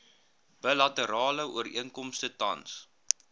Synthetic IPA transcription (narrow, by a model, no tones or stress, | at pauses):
b̥əlɐtəɾɑːləuərḭəŋkɔmstətɐ̰ns